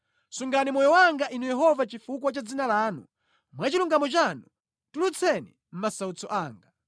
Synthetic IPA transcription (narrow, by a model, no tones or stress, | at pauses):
suŋɡanimɔjɔwaŋɡaʔinujɛɦɔvat͡ʃifukwat͡ʃad͡zinalaːnṵ | mwat͡ʃiluŋɡamɔt͡ʃanu | tulut͡sʰɛnḭ | m̩masaut͡sɔʔaːŋɡa